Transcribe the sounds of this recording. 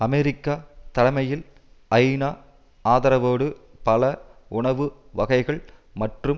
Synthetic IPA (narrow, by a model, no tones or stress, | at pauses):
ɐmeɾɪkːaːt̪ɐɽɐmɐjɪl | ɐɪnaː | aːðɐɾɐʋoːɽɯ | pɐlɐʊɳɐʋɯ | ʋɐɣɐɪɣɐɭmɐʈrɯm